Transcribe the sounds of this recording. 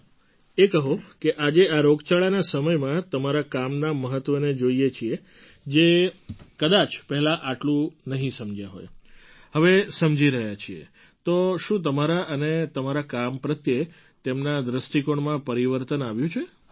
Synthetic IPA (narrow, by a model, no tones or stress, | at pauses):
ekəɦokeʔad͡ʒeaɾoɡt͡ʃaɭanasəməjmãt̪əmaɾakamnaməɦət̪ʋəned͡ʒoiet͡ʃʰie | d͡ʒekəd̪at͡ʃpɛɦɛlaʔaʈlũnəɦĩsəmd͡ʒjaɦo̰j | ɦəʋesəmd͡ʒiɾəɦjat͡ʃʰiḛ | t̪oʃũt̪̬əmaɾaʔənet̪əmaɾakampɾət̪je | t̪emnad̪ɾəsʈikoɳmãpəɾiʋəɾt̪ənaʋjũt͡ʃʰe